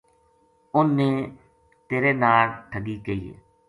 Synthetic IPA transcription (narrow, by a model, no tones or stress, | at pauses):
ʊnːeː | t̪eːɾeːnaːlʈʰəɡiːkeiːḛː